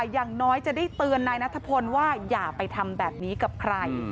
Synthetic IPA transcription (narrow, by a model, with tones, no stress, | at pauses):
jaː˨˩ŋnɔː˦˥jt͡ɕa˨˩daː˥˩jt̪ɯː˧ənːaː˧jna˦˥t̪ʰːa˧pʰo˧nwaː˥˩jaː˨˩pa˧jt̪ʰa˧mbɛː˨˩p̚niː˦˥ka˨˩p̚kʰɾa˧j